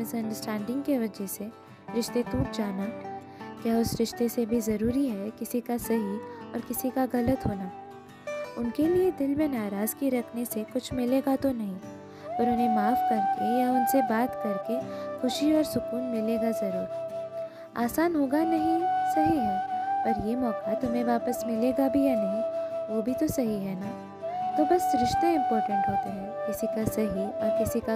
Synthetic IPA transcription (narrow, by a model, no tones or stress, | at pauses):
mɪsɐ̃ɳɖəɾsʈʰɛ̃ːɳɖɪ̃ŋɡkeʋɐd͡ʒɛse | ɾɪʃt̪et̪uːʈ̚d͡ʒaːna | kjaːʊsɾɪʃt̪esebʱizɐɾuːɾiɦɛkɪsikasɐɦiɔ̰ːɾkɪsikaɣɐlət̪ɦoːnaː | ʊnkelied̪ɪlmẽnaːɾaːz̥kiɾɐkʰnesekʊt͡ʃʰmɪleːɡat̪onɐɦĩ | pɐɾʊnɦẽmaːfkɐɾkejaʊnsebaːt̪kɐɾkexʊʃiɔːɾsʊkuːnmɪleːɡazɐɾṵːɾ | a̰ːsaːnɦoːɡanɐɦĩsɐɦiɦɛpɐɾjemɔːkat̪ʊmẽʋaːpəsmɪleːɡabʱijanɐɦĩʋobʱit̪osɐɦiɦɛna | t̪obɐsɾɪʃt̪eɪ̃mpɔːɾʈə̃ɳʈɦoːt̪aɦɛkɪsikasɐɦiɔːɾkɪsika